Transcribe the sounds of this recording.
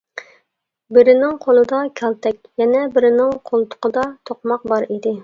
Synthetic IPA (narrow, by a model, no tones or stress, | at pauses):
bɪɾɪnɪŋqʰolˠɨd̪ɑkʲʰɛlt̪ʰɛkʲjɛnɛbɪɾɪnɪŋqʰolˠt̪ʰʊ̥qəd̪ɑt̪ʰoqmɑq̚bɑɾid̪ɪ